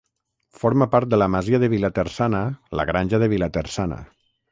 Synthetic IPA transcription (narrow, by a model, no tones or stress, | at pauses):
foɾmapaɾt̪̚d̪əlamaziəðəβilat̪əɾsanələ̰ɣɾanʲʒəðəβ̞ilat̪ərsanə̰